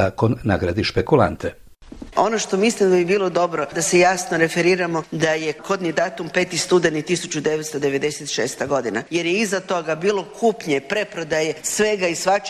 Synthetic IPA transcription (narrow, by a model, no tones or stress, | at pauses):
akonːaɡɾad̪iʃpekulˠa̰nt̪e | o̞no̞ʃt̪o̞mislimd̪abibiːlˠo̞d̪o̞bɾo̞d̪asejasno̞ɾe̞feɾiːɾamo̞d̪aje̞kʰod̪nid̪aːt̪umpe̞ːt̪ist̪ud̪enit̪isut͡ɕud̪e̞ʋet̪st̪od̪e̞ʋe̞d̪eset̪ʃeːst̪aɡo̞d̪inaje̞ɾjeizat̪o̞ɡabiːlˠo̞kʰuːpɲe̞pɾe̞pɾo̞d̪aje̞sʋe̞ɡaisʋat͡ʃ